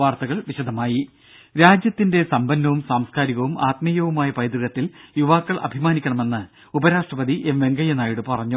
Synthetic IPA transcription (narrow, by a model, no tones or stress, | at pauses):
ʋaːrt̪ɐɣɐɭʋiɕɐd̪ʱɐmaːji | ɾaːd͡ʑjɐt̪ːinde̞sɐmbɐnːɐʋumsaːmskaːɾiɣɐʋumaːt̪mijɐʋumaːjɐpɐjd̪rɨɣɐt̪ːiljuʋaːkːɐɭʔɐ̰bʱimaːnikʲːɐɳɐme̞nːɨ | ubɐɾaːʂʈrɐpɐd̪iʔemʋe̞ŋɡɐjɐnaːjiɽɨpɐrɐɲːu